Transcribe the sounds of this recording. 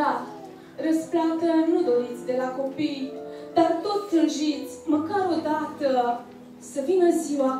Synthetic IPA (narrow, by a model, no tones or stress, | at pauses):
a | rəsplat̪ənud̪o̞ɾit̪sʲd̪e̞lako̞pijd̪art̪o̞t̪sʲɨnʒit̪sʲməkaɾod̪at̪ə | səvinəziwa